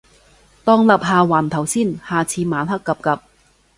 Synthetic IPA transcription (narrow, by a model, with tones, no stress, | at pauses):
t̪ɔː˧ŋlɐ˨p̚ɦaː˨˧waː˨˩nt̪ʰɐ˨˩wsiː˥˩nhaː˨˩t͡sʰiː˧maː˨˧nɦɐ˥kːɐ˨˧p̚kɐ˨˧p̚